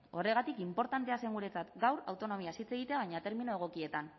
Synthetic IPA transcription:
o̞re̞ɣat̪ikimpo̞ɾt̪ant̪e̞ase̞ŋɡuɾe̞t͡sat̪ɡawɾawt̪o̞no̞miasit͡se̞ɣit̪e̞aβ̞ajɲat̪e̞ɾminoe̞ɣ̞o̞kie̞t̪an

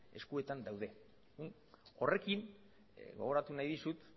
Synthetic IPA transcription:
e̞skue̞t̪and̪awðe̞ | un | o̞re̞kin | ɡo̞ɣ̞o̞ɾat̪unajðisut̪

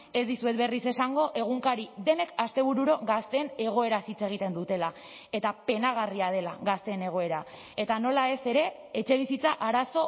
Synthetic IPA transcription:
e̞zd̪isue̞t̪be̞rise̞saŋɡo̞ʔe̞ɣ̞uŋkaɾiðe̞ne̞kast̪e̞β̞uɾuɾo̞ɣast̪e̞ːne̞ɣ̞o̞e̞ɾasit͡seɣ̞it̪e̞nd̪ut̪e̞la | e̞t̪ape̞naɣ̞ariað̞e̞laɣast̪e̞ːne̞ɣ̞o̞e̞ɾa | e̞t̪ano̞lae̞se̞ɾe̞ | et͡ʃe̞β̞isit͡saʔaɾaso̞

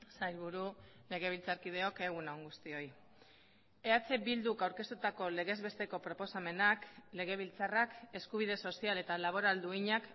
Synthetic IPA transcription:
sajlβuɾule̞ɣ̞e̞β̞ilt͡saɾkið̞e̞o̞ke̞ɣ̞unaŋɡust̪io̞j | e̞at͡se̞bild̪ukawɾke̞st̪ut̪ako̞le̞ɣ̞e̞zβe̞st̪e̞ko̞pɾo̞po̞same̞nakle̞ɣ̞e̞β̞ilt͡sarake̞skuβ̞ið̞e̞so̞siale̞t̪alaβ̞o̞ɾald̪uiɲak

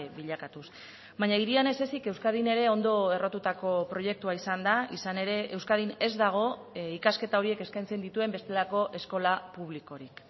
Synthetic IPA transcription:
biʎakat̪us | βaɲaiɾiane̞se̞sike̞wskað̞ine̞ɾe̞o̞nd̪o̞e̞ro̞t̪ut̪ako̞pɾo̞je̞k̚t̪uaisand̪aisane̞ɾe̞ewskað̞ine̞zd̪aɣ̞o̞ | ikaske̞t̪ao̞ɾie̞ke̞skajnt͡send̪it̪ue̞mbe̞st̪e̞lako̞ʔe̞sko̞lapuβ̞liko̞ɾik

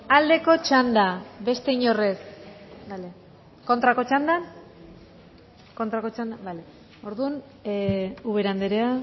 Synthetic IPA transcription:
ald̪e̞ko̞t͡ʃand̪aβe̞st̪e̞iɲo̞re̞sbale | ko̞nt̪ɾakot͡ʃand̪an | ko̞nt̪ɾako̞t͡ʃand̪abale | o̞ɾðun | uβe̞ɾand̪eɾea

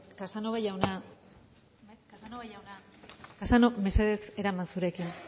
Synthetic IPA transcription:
kasanoβajawna | kasanoβajawnakasanome̞se̞ðe̞se̞ɾamansuɾe̞kin

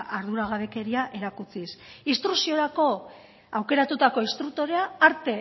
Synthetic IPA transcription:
ʔaɾðuɾaɣ̞aβ̞e̞ke̞ɾiaʔe̞ɾakut͡sisist̪ɾusio̞ɾako̞ | awke̞ɾat̪ut̪ako̞ist̪ɾuk̚t̪o̞ɾe̞aːɾt̪e̞

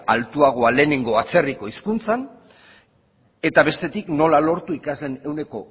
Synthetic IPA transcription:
alt̪uaɣ̞o̞ale̞ːne̞ŋɡo̞at͡se̞riko̞iskunt͡san | e̞t̪aβe̞st̪e̞t̪ikno̞lalo̞ɾt̪uikazle̞ne̞wne̞ko̞

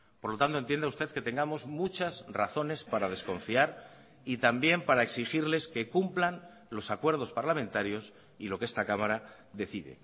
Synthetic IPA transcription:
po̞ɾlo̞t̪ant̪o̞nt̪jend̪auwst̪e̞ðke̞t̪e̞ŋɡamo̞zmut͡ʃasra̰θo̞ne̞spaɾað̞e̞sko̞ɱfiaɾ | it̪ambje̞mpaɾae̞ksixiɾle̞ske̞kumplan | lo̞sakwe̞ɾð̞o̞spaɾlamẽ̞nt̪aɾjo̞s | ilo̞kee̞st̪akamaɾa | ðe̞θiðḛ

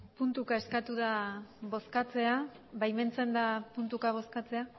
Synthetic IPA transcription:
punt̪ukae̞skat̪uðaβo̞skat͡se̞a | βajme̞nt͡se̞nd̪apunt̪ukaβ̞o̞skat͡se̞a

